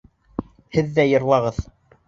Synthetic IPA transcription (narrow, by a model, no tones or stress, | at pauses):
hɘ̆ðːæjɤ̆ɾlˠɑʁɤð